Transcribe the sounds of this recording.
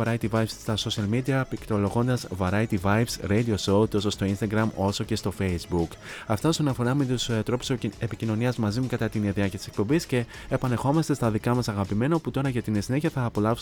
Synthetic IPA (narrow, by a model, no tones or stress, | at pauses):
ɐɾɐit̪ivɐjvsst̪ɐso̞siɐlmid̪iɐpikt̪olo̞ɣo̞nd̪ɐzvɐɾɐjt̪ivɐjvsɾejd̪io̞so̞t̪o̞so̞st̪o̞inst̪ɐɡɾɐmo̞so̞ce̞st̪o̞fe̞jzbuk | ɐft̪ɐo̞sonɐfo̞ɾɐme̞t̪ust̪ɾo̞pu̥sepicino̞niɐzmɐzimukɐt̪ɐt̪inieðiɐcɐt̪ise̞k̚po̞mbisce̞ː | pɐne̞xo̞mɐst̪e̞st̪ɐðikɐmɐsɐɣɐpime̞nɐoput̪o̞ɾɐʝɐt̪insineçiɐθɐːpo̞lɐ